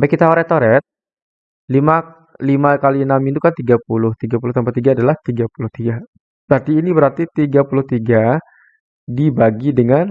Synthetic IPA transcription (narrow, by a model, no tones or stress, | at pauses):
bɛkit̪aoɾɛt̪oɾɛt̪̚ | lima | limakalinamit̪ukant̪iɡapulʊht̪iɡapulʊht̪əmpat̪iɡaːdalaht̪iɡapulʊht̪iɡa | t̪adiːnibəɾart̪it̪iɡapulʊht̪iɡa | dibaɡidəŋan